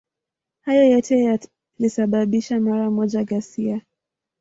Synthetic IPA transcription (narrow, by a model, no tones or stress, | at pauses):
hajɔjɔtɛja | lisaɓaɓiʃamaɾamɔʄaɠasia